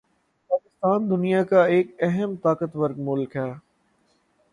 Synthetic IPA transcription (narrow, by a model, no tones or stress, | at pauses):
paːkɪst̪aːnd̪ʊnijakaeːk̚ɛɦəmt̪aːkət̪ʋɐɾɡmʊlkɦɛː